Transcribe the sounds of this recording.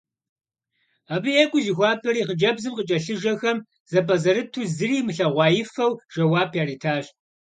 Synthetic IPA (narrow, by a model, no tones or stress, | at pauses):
abɨjɛkʷʼʊzixʷɑːpʰɐɾiːʁəd͡ʒɐbzɨmqət͡ʃʼɐɬɨʒɐxɐm | z̥ɐpʼɐzɐɾɨtʰuːzɨriːmɨɬɐʁʷɑːjɪfxɐwʒ̥ɐwɑːpʰjaːɾiːtʰaːɕ